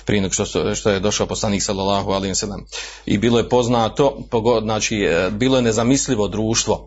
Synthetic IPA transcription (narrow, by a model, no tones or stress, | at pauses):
pɾienɡoʃt̪ʃt̪ojed̪o̞ʃaoposlˠaniːksalːalːaːɦualeosalːem | ḭbiːlˠojepo̞znaːt̪o̞poɡoznaːt͡ʃiːbiːlˠojenezamisliʋo̞d̪ɾuːʃt̪ʋo̞